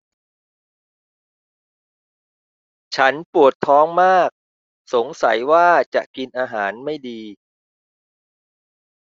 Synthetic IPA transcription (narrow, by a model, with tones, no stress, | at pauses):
t͡ɕʰa˦˥npu˨˩ət̪ʰːɔː˦˥ŋmaː˥˩k̚ | so˩˦ŋsa˩˦jwaː˥˩t͡ɕa̰˨˩ʔki˧nʔaː˧ɦaː˩˦nma˥˩jdiː˧